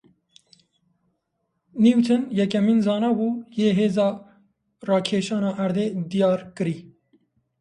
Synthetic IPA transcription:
niwt̪ʰɨnjɛk̬ɛmiːnzɑːnɑbuːjeːɦeːzɑː | rɑːkʰeːʃɑːnɑːʔæɾd̪eːd̪ijɑːɾkɨɾiː

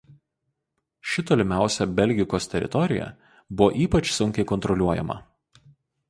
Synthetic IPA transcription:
ʃʲɪt̪oːlʲɪmʲæˑʊsʲɛbʲɛlʲɡʲɪkoːst̪ʲɛɾʲʔɪ̰t̪ɔɾʲɪjɛ̰ | bʊʋoʔiːpɐt͡ʃsʊŋʲkʲɛɪkɔnt̪ɾɔlʲuɔjɛ̰mɐ̰

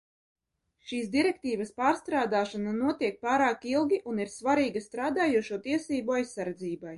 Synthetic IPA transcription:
ʃiːs̬d̪iɾɛk̚t̪iːvaspaːɾst̪ɾaːd̪aːʃananuɔt̪iɛk̚paːɾaːkilˠɡʲiʔuniɾsvaɾiːɡast̪ɾaːd̪aːjuɔʃuɔt̪iɛsiːbuajsːaɾd̪ziːbaj

